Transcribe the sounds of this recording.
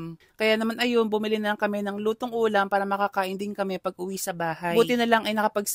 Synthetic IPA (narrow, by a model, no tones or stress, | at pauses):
kɐjanɐmanʔɐjo̞nbʊmɪlɪnɐlaŋkɐmɛnɐŋluːt̪oŋʔuːlɐmpaːɾɐmɐkakaːʔɪnd̪ɪnkɐmɛpɐɡ̚ʔʊwisɐbaːhajbuːt̪ɪnɐlaŋʔɐjnɐkɐpɐɡ̚s